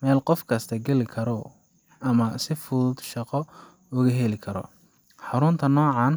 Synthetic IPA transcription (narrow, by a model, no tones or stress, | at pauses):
mɛːlqɔfkʰɐst̪ʰɐɡɛlɪkʰɐɾɔ | ʔɐmɐsɪfʊd̪ʃɑqɔ | ʊɣɐɦɛlɪkʰɐɾɔ̰ | ħɑɾʊnt̪ʰɐnɔːʕɑːn